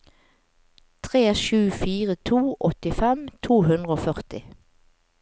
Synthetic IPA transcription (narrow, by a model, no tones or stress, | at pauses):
t̪ʰʁeːʃʉːfiːʁət̪ʰuːʔɔt̪ɪfɛmt̪ʰuːɦʉnʁəoːfœʁt̪ɪ